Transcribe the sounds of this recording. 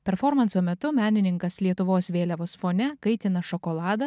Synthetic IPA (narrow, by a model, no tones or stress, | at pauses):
pʲɛɾfɔɾmɐnsoːmʲɛt̪ʊmʲæːnʲɪnʲɪŋkɐslʲiɛt̪ʊʋoːsʋʲeːlʲɛʋoːsfoːnʲɛkɐɪt̪ʲɪnɐʃɔkɔːlˠɑːd̪ɐ